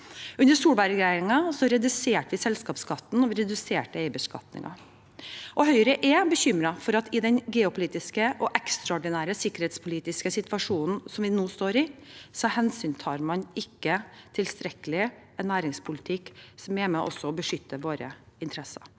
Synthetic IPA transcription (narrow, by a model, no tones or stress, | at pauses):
ʉnəʂuːlbɑːɾəɡɾæɪɾɪŋɑsɔɾɛd̪ʉseːʈʋɪsɛlskɑːpskʰɑt̪ːn̩ɔʋɪɾɛd̪ʉseːʈəɛɪbəskɑ̰t̪nɪ̰ŋʔɑ̰ | ʔɔɦœʏɾəʔɛbəçʏmɾɑfɔɾɑt̪ɪd̪ɛnɡeːʊpʰʊliːt̪ɪskəʔɔʔɛkst̪ɾɑɔɖɪnæːɾəsɪkːəɾhɛːt̪spʰʊliːt̪ɪskəsɪt̪ʋɑʂuːnn̩sɔmʋɪnoːst̪oːɾɪsɔɑhɛnsyːnt̪ʰɑːɾmɑnɪkːət̪ʰɪlst̪ɾɛkəlɪɛnːæːɾɪŋspʰʊlɪt̪ʰɪkːsɔmɛmɛʔɔ̰sɔɔbəʂʏt̪ːəʋoːɾə̰ɪnt̪ʰɾɛsɑ̰ɾ